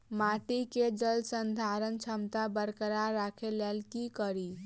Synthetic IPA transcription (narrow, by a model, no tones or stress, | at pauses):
maʈiked͡ʒəlsənd̪ʱaɾənt͡ʃʰəmt̪abəɾkəɾaɾakʰelalkikəɾi